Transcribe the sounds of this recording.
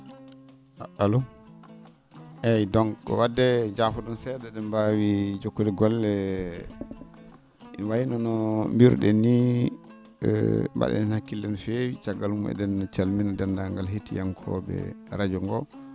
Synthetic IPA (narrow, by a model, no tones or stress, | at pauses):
ʔaɗalu | ʔɛjdɔŋɔ̰wadːɛd͡ʒafɔɗɔnsɛdɛɗɛmbawid͡ʒokːulɛɡɔlːɛ | inwajinɔnɔmbiɾɗɛni | mba̰ɗɛ̰ɛnhakːilːɛnfewit͡ʃaɡalumʔɛ̰dɛnːt͡ʃalminadɛndaŋɡalɦetijaŋkʰɔ̰bɛ̰ɾad͡ʒɔŋɡɔ